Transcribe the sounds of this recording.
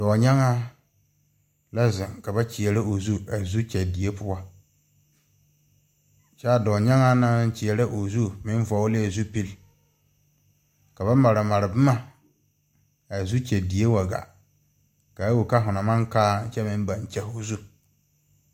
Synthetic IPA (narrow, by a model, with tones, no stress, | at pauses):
d̥ɔː˨ɲa˦ŋa˦ | la˦zɪ˨ŋka˨ba˦t͡ʃi˨ɛ˨ɾa˦o˨zu˦a˨zu˦t͡ʃɛ˨di˨e˦pʰʊ˦wa˦ | t͡ʃa˦dɔː˨ɲa˦ŋa˦nã˦t͡ʃɪ˨ɛ˨la˦ʔo˨zu˦mɪ̃˦n˦vɔ˨˦wle˦˨zu˦pi˦l | ka˨ba˦ma˨ɾɪ˨ma˨ɾɪ˨bɪ˦ma˦ | a˨zu˦t͡ʃɛ˨di˨je˦wa˨ɡa̰˨ | ka˨˦wo˨ka˦ɦʊ˨na˨mã˦ŋkaː˦t͡ʃɛ˦mɪ̃˦m˦ba˨n˨t͡ʃɛ˦ho˦zu˦